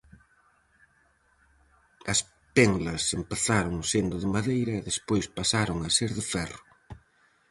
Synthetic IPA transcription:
ɐs | peŋɡlɐsempeθaɾʊŋsend̪ʊðɪmaðejɾɐɪðespojspasaɾoŋɐseɾðɪfɛrʊ

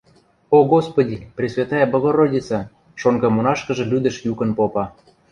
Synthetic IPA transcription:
oɡospodʲiprʲisvʲet̪ɑjɑbŏɣoɾodʲit͡sɑ | ʃoŋɡɑmonɑʃkə̆ʒɤ̆lʲyd̪ə̆ʃjukə̆npopɑ

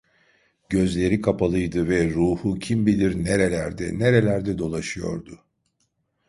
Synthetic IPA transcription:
ɟ̥ø̞zlʲe̞ɾikʰapʰalˠɯjd̪ɯvɛɾuːhucʰimbilʲiɾneɾelʲæɾd̪ɛ̰neɾe̞lʲæɾd̪ɛd̪o̞lˠaʃɯjo̞̰ɾd̪ʊ

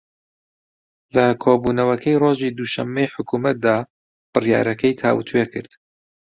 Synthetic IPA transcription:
lɐkʰoːbunɐwɐkʰɛjroːʒid̪uːʃɐmːejħʊkʰuːmɐt̪̚d̪aː | b̥ɨrja̰ːɾɐkʰɐjt̪ʰa̰ːwt̪ʰuwekʰɨɾd̪̥

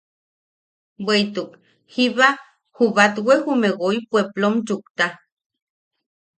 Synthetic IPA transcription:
bwejt̪uk | hiβa | huβat̪wehumeɡojpweplomd͡ʒukt̪a

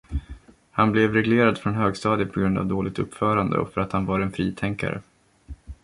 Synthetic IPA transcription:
hanblɛvɾɛɡleːɾad̪fɾɔnɦøːɡst̪ɑːd̪ɪpʰɔɡɾɵnd̪a̰vd̪oːlɪɡ̚t̪ɵ̰pːfœːɾand̪ə̰ɔ̰fœɾat̪hanvaɾɛnfɾiːt̪ʰɛŋka̰ɾə̰

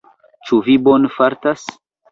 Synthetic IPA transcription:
t͡ʃuvibonfaɾtas

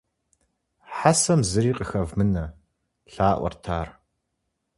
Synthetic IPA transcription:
ħasɐmzɨɾiːqʼəxɐvmɨnɐ | ɬaːʔʷɔ̰rtʰaːr

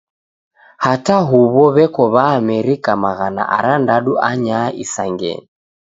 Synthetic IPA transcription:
hataɦuβɔβɛkɔβaːmɛɾikamaɣana̰ʔa̰ɾandaɗuʔaɲaʔisaŋɡɛ̰ni

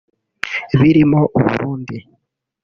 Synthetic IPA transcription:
βiɾimoʔuβṵɾuːndi

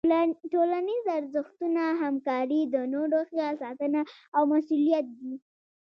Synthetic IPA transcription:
ʈolanizaɾzəxt̪unaɦamkɑɾid̪ənoɖoxjasɑt̪ənaːwmasulijat̪̚d̪i

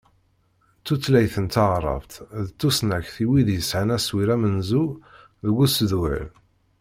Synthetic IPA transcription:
t͡sːut͡sːlæjθənt̪ɑʁɾˤɑ̰vt̪ðt͡s̪ːusnæçθiwiðjəsʕənæswiɾæmənzu | ðɡusðuə̰l

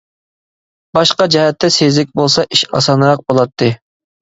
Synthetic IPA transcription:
bɑʃqɑd͡ʒɛɦɛt̪ʰːɛsezɪk̚ʲbolˠsɑʔiʃɑ̰sɑnɾɑq̚bolˠɑt̪ʰːɨ

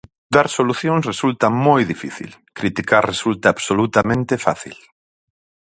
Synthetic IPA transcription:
d̪aɾsoluθjõŋsresult̪amojðifḭθḭl | kɾit̪ikaɾresult̪aːβsolut̪amẽnt̪efa̰θḭl

